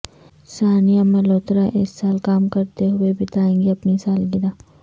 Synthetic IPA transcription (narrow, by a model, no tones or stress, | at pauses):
saːnijamɐloːt̪ɾaʔeːssaːlkaːmkɐɾt̪eɦʊebʱɪt̪aːẽːŋɡeɐpnisaːlɡɪd̪aː